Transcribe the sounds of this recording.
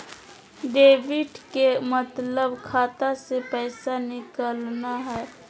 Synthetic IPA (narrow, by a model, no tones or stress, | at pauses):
ɖeːʋɪɖkemət̪ləbkʰaːt̪asepɛːsanɪkəlnaɦɛː